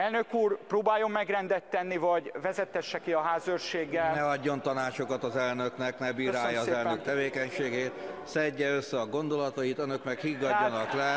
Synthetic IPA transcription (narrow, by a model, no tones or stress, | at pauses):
ɛlnø̞kuːrproːbaːjo̞mːɛɡrɛnd̪ɛt̪ːɛnːivɒɟvɛzɛt̪ːɛʃːɛkiɒɦaːzørʃeːɡːɛlnɛɒɟːo̞nt̪ɒnaːt͡ʃo̞kɒt̪ɒzɛlnø̞knɛknɛbiːɾaːjːɒːzɛløk̚t̪ɛveːkɛɲʃeːɡeːt̪sɛɟːɛøsːɛɒɡo̞nd̪o̞lɒt̪ɒjit̪ønø̞kmɛkhiɡːɒɟːɒnɒklɛ